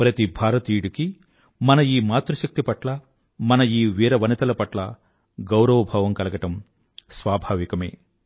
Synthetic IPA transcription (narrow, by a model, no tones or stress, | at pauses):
pɾɐt̪ibʱaːɾɐt̪iːɽuki | mɐnɐiːmaːt̪ɾuʃɐk̚t̪ipɐʈlɐ | mɐnɐiːʋiːɾɐʋɐnɐt̪ɐlɐpɐʈlɐ | ɡɐwɾɐʋɐbʱɐːʋɐmkɐlɐɡɐʈɐm | sʋaːbʱaːʋikɐmḛː